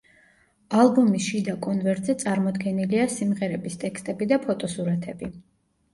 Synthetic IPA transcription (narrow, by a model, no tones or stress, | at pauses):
alˠbumisʃid̪akʼɔnvɛɾt̪ʼzɛt̪sʼaɾmɔd̪ɡɛniliasimʁɛɾɛbist̪ʼɛkst̪ʼɛbid̪apʰɔt̪ʼɔsuɾat̪ʰɛbi